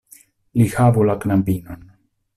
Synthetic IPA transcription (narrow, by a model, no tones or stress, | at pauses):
lihabulaknambinon